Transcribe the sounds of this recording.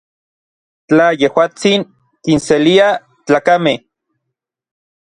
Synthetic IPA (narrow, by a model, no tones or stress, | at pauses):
t͡ɬajehwaːt͡siŋ | kinselia | t͡ɬaːkameh